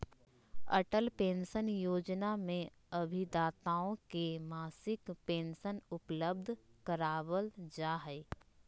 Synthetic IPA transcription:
ə̰ʈəlpẽːnsənjoːd͡ʒnamẽ | ɐbʱid̪aːt̪aːõkemaːsɪkpẽːnsənʊpləb̚d̪ʱkəɾaːwəld͡ʒaːɦəɪ

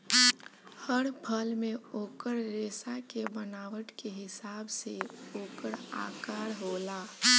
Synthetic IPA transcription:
həɽpʰəlmeoːkəɾɾeːsakebənaːʋəʈkeɦɪsaːbseoːkəɾa̰kaɾɦola

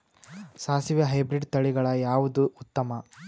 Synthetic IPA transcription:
saːsiʋjɐɦɐjbɾiɖt̪ɐɭiɡɐɭɐjaːʋud̪uut̪ːɐmɐ

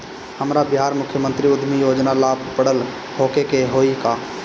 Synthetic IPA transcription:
həmɾabiɦaɾmʊkʰjəmənt̪ɾiud̪ʱmijod͡ʒnalabpəɽəl | hokekeɦoika

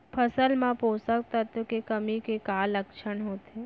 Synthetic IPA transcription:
pʰəsəlmãposək̚t̪ət̪kekəmikekaləkʃəɳɦot̪ʰe

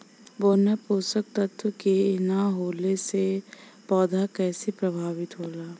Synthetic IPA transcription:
boːnapoːsək̚t̪ɐt̪ʰwəkeɪnaɦoːlese | pɔːd̪ʱakɛːsepɾɐbʱaːʋɪt̪ɦoːlaː

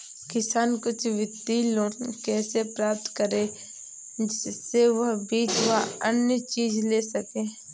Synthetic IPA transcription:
kɪsaːnkʊt͡ʃʰʋɪt̪ːiloːnkɛːsepɾaːp̚t̪kəɾẽː | d͡ʒɪeʋɐɦbiːt͡ʃʋɐɦənjət͡ʃiːzleːsəkẽː

